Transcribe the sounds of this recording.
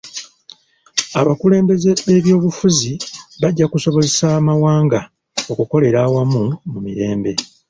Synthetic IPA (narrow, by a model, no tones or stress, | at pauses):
aβakule̞ːmbe̞ze̞βe̞βjo̞ːβufuziβaɟːakuso̞βo̞zesamawaːŋɡa | o̞kuko̞le̞ɾaːwamumumiɾe̞ːmbe̞